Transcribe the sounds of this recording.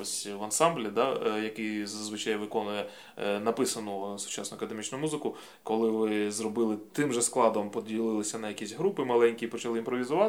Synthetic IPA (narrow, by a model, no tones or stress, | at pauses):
ɔsʲʋɐnsɑmblʲid̪ɑjɐkɪjzɐzʋɪt͡ʃajʋɪkɔnʊjɛ | nɐpɪsɐnʊsʊ̥t͡ʃɑsnʊɐkɐd̪emʲit͡ʃnʊmuzɪkʊ | kɔlˠɪʋɪzrɔbɪlˠɪt̪ɪmʒɛsklˠɑd̪ɔmpɔdʲilˠɪlˠɪsʲɐnɐjɐkʲisʲɦɾupɪmɐlˠɛnʲkʲipɔt͡ʃɐlˠɪimpɾɔʋʲizʊʋɑ